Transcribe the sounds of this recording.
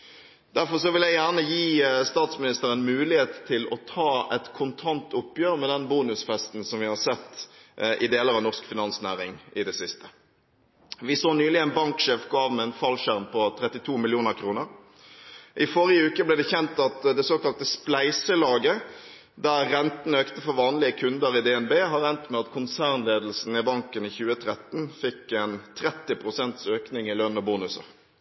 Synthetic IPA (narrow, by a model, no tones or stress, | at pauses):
d̪æʁfɔʁsɔʋɪljæjæʁnəjiːst̪ɑːt̪smɪnɪst̪əɾənmʉːlɪheːt̪t̪ʰːɪlɔt̪ʰɑːɛt̪kʰʊnt̪ʰɑnt̪ʰʊpːjøːʁmɛd̪ɛnbuːnʉsfɛst̪n̩sɔmʋɪhɑsɛt̪ːʔɪd̪eːləɾɑʋnɔʁskfɪnɑnsnæːʁɪŋʔɪd̪ɛsɪst̪ə̥ | ʋɪsoːnyːlɪænbɑŋkʂeːfɡɑːʋmɛɛnfɑlʃæʁmpʰɔt̪ʰɾɛt̪ːɪt̪ʰuːmɪljuːnəɾkʰɾuːnəɾ | ʔɪfɔʁɪəʉːkəblɛːd̪ɛçɛnt̪ɑt̪d̪ɛsoːkɑlt̪əsplæɪsəlɑːɡə | d̪æʁːɛnt̪n̩øːkt̪əfɔʋɑːnlɪəkʰʉnd̪əʁɪd̪ɛɛnbeːɦɑʁɛnt̪mɛɑt̪kʰʊnsæːʁnleːd̪l̩sn̩ɪbɑŋkəniːçʉːət̪ʰɾɛt̪n̩fɪkːɛnt̪ʰɾɛt̪ːɪpʰʁʊsɛnt̪søːknɪŋɪløːnɔbuːnʉsə̰